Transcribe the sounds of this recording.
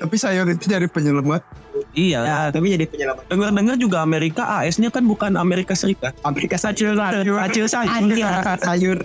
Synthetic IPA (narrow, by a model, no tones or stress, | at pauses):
t̪apisajaɾit̪ud͡ʒadipəɲəlamat̪̚uijat̪apid͡ʒadipəɲəlamat̪dəŋərdəŋərd͡ʒuɡaːmeɾikaʔaʔɛsɲakanbukanameɾikasəɾikat̪̚ameɾikasat͡ʃɪlaaat͡ʃɪlsaiaakajʊr